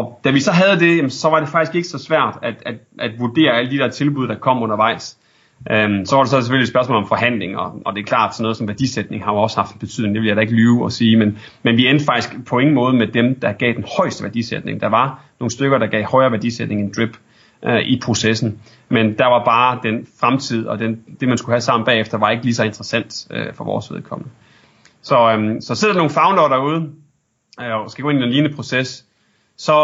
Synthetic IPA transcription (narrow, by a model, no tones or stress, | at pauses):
ɒ̽d̥æʋisɒ̽ɦæð̞̩ˠd̥e̝jæmnsɒ̽ʋɑ̈ɾ̥e̝fɑ̈ɡ̥isɡ̥e̝ɡ̥ə̥sɒ̽sʋæɐ̰d̥æd̥æd̥ʔæd̥ʋuɐd̥e̝̰ːɐæləd̥id̥ɛɐt͡sʰe̝lb̥uðˠd̥ɑ̈kʰɒ̽m̰ɔ̽nɐʋɑ̈ɪ̰s | ʔøsɒ̽ʋɑ̈ɾ̥esɒ̽se̥føliedsb̥ɶɐsmɔ̰ːlɒ̽mfɒ̽ɦæn̰le̝ŋɒ̽ʔɒ̽d̥e̝ɐkʰlɑ̰̈ːd̥sɒ̽nːɔːð̩ˠsɒ̽mʋæɐd̥ḭsed̥ne̝ŋhɑ̈joɒ̽shɑ̈fd̥enb̥e̝t͡sʰy̰ð̰ˠne̝ŋd̥eʋe̝ljɑd̥ɾæe̝ɡ̥əlyːʊɒsiːmen | menʋiend̥fɑɡ̥d̥isɡ̥pʰɒ̽e̝ŋn̩mɔ̽ːð̞̩ˠmed̥emd̥ɑ̈ɡ̥ɛ̰ːd̥enhɒ̽ɪ̰sd̥əʋæɐd̥ḭsed̥ne̝ŋd̥ɑ̈ʋɑ̈no̝ːn̩sd̥øɡ̥ɐɾ̥ɑ̈ɡ̥ɛ̰ːɪhɒ̽ɪɐʋæɐd̥ḭsed̥̚ne̝ŋend̥ʁib̥ | ʔʔipʰʁo̝sesn̩ | mend̥æ̈ʋɑ̈b̥ɑ̈ːd̥enfʁamt͡sʰið̰ˠɒ̽d̥end̥e̝mænskuhæsɑ̈m̰n̩b̥ɛ̰ːefd̥ɐʋɑ̈e̝ɡ̥əlis̬ɒ̽e̝nd̥ʁɐsæn̰d̥øfɒ̽ʋɒ̰ːsʋe̝ð̞ˠkʰɒ̽m̰nə | sɒ̽sɒ̽seð̰ˠdɐno̝ːn̩fɑ̈ʊndɐɾæuːð̞ˠ | ɒsɡ̥æ̥ɡ̥oe̝nid̥enliːnəpʰʁo̝sesː | ɒ̽